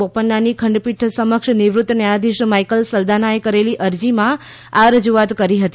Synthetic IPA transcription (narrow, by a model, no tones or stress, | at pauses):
opənːanikʰəɳɖpiʈʰsəməkʃniʋɾʊt̪ːənjaɽ̃ad̪iʃmaikəlsəld̪ʱanajkəɾeliʔəɾd͡ʒimã | aɾəd͡ʒuat̪kəɾiɦət̪i